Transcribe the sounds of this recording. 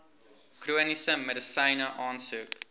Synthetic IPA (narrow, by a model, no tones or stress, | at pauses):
kruənisəmːɛdəsɐɪnəʔɑːnsuːk